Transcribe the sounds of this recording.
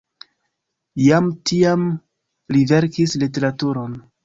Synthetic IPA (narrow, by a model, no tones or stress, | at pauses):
jamtiam | live̞ɾkislite̞ɾatuɾo̞n